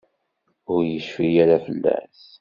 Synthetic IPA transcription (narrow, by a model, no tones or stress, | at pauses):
ʊɾjəʃfijaɾafəlːæ̰s